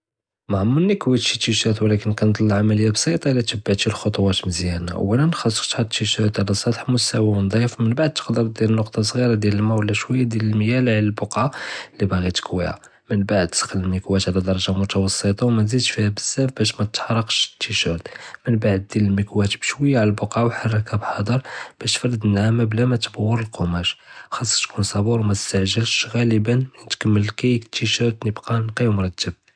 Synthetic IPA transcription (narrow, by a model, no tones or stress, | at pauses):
mæʕəmːənːikwit̪ʃit̪ːiʃæt̪wlækənkænd̪ˤlːʕamæləjːabsˤit̪ˤɑlːit̪əbːaʕt̪ilxot̪ˤwɑt̪məzjæna̰wænænxɑsːˤə̥qt̪hɑt̪ːiʃæt̪ʕlæsˤɑd̪ħmʊsæwæwənd̪ˤifmənbaʕd̪̚t̪ːə̥qd̪əɾˤd̪jælənːʊqt̪ˤɑsˤɣiɾɑd̪jæləlmæwlːæʃwəjːad̪jæləlməjælʕlælbʊqalːibaɣit̪kwḭhæ̰ | mənbaʕəd̪̚sə̥qləlmikwæt̪ʕlæd̪ɑɾˤɑʒamʊt̪ɑwɑsˤːət̪ˤɑwmænzid̪ʃfihæbəzːæfbæʃ̬mæt̪ːħɑɾˤɑqʃt̪ːiʃæɾt̪mənbaʕəd̪̚ːiləlmikwæt̪bəʃwəjːaʕləlbʊqʕawħɑrˤːɑkabħɑd̪ˤəɾˤb̥æʃt̪fɑɾˤd̪ənhæmæblæmæt̪əbəwːəɾəlqomæʃxɑsˤːɑ̥t̪kunsˤɑbuɾwmæt̪əst̪aʕʒəlʃɣæləbənnt̪kəmːəlkæjkət̪ːiʃəɾt̪nəbqɑnqimʊɾˤɑt̪ːəb̚